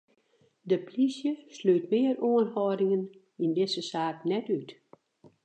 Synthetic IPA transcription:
dəplisjəsløːtmɪəɾoənhɔdɪŋən | indɪsəsaːk̚nɛtyt

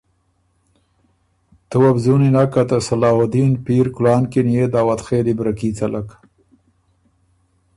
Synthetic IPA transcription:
t̪uwabzuninakat̪asalɑːwad̪inpiɾkʊlɑːnkinijed̪aːwat̪xeːlibɾakit͡salak

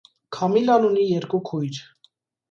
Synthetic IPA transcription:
kʰɑmilɑlunijɛɾkukʰujɾ

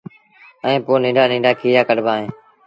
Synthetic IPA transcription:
əẽːpoːnĩːɳɖaːnĩːɳɖaːkiːjaːkəɖbãːɦẽː

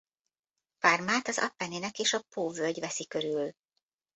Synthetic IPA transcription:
farmaːt̪ɒzɒ̰pːɛneːnɛkeːʃɒpoːvølɟvɛsikø̞ɾyl

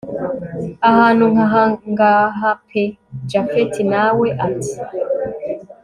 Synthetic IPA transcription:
ahaːnuaŋɡaɦapʰed͡ʒafetinaweʔati̥

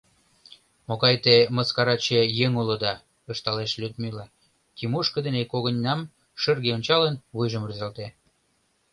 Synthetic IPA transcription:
moɣɑjt̪eməskɑɾɑt͡ɕejeŋulə̆d̪ɑ | əʃt̪ɑleʃlʲyt̪milɑ | kimuʃkə̆d̪enekoɣənʲːɑm | ʃərɣeonʲt͡ɕɑlənβujʒəmryzɑlt̪e

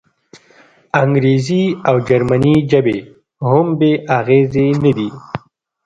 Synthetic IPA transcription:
aŋɡɾeziawd͡ʒaɾmanid͡ʒabe | ɦʊmbeʔaɣezenad̪i

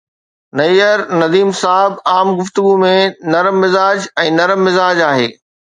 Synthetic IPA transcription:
nɐijəɾnɐd̪iːmsaːɦɪbaːmɡʊft̪ʊɡumẽnɐɾmːɪzaːd͡ʑɛ̃ːnɐɾəmːɪzaːd͡ʑaːɦḛː

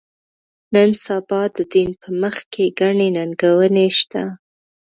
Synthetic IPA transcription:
nənsabɑd̪əd̪inpʰəməxkeɡaɳenaŋɡawəneʃt̪a

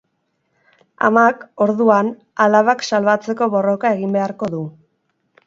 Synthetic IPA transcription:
a̰mako̞ɾðuan | alaβaksalβat͡se̞ko̞βo̞ro̞kae̞ɣimbe̞aɾko̞ðu

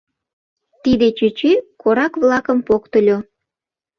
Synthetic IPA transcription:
t̪id̪et͡ɕyt͡ɕekoɾɑkβlɑkəmpokt̪ə̆lʲo

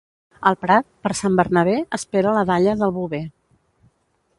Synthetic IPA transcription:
əlˠpɾat̪̚pəɾsambərnəβ̞eəspeɾələðaʎəðəlˠβuβe

